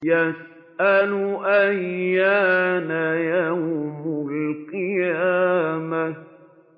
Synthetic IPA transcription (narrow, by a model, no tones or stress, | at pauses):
jas | ʔaluʔajaːnajahʊmʊlqɨjaaːma